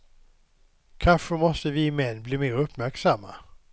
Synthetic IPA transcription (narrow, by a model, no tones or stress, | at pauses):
kʰanɧəmɔst̪əvɪmɛnːbliːmeːɾɵpːmæɾksamːa̰